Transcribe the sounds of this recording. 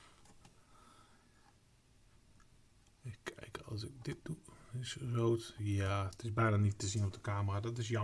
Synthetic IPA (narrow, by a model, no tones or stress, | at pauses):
ɪkʰɛ̰jkɔ̰lˠsɪk̚dɪt̚d̥uɪsroːtatɪsbɛjnanitəsiənop̚dəkaːmadɔtɪs̬jɔ